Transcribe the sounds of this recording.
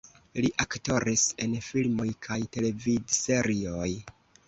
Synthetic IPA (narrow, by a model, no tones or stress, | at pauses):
liʔakto̞ɾise̞nfilmo̞jkʰajte̞le̞vidse̞ɾio̞j